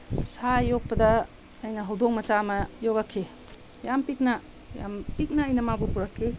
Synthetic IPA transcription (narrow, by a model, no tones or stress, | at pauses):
sajok̚pɐdɐː | jnɐɦɐwdok̚mɐt͡ʃamɐjoɡɐkʰːe | jampik̚nɐ | ja̰mpik̚nɐːjnɐmabupuɾɐkʰːi